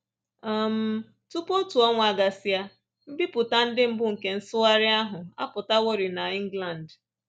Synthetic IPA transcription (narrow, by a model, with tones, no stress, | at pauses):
a˨m̩˦ | tu˦po˦n̩˦tu˨ɔ˦ŋʷ˨a˨ɡa˨si˦a˦ | m̩˦bi˦pʊ˨ta˦n̩˦dɪ˦m̩˦bʊ˦ŋ̩˨ke˦n̩˦sʊ˦a˦ɾɪ˦a˦ɦʊ˨a̰˦pʊ˨ta˦wo˦ɾi˨na˨i˦ŋ˦ɡla˨n̩˨d